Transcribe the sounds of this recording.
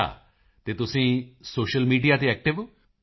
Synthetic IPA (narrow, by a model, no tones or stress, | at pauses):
a̰ | t̪et̪usĩːsoːʃəlmiːɖijat̪eɛk̚ʈɪʋ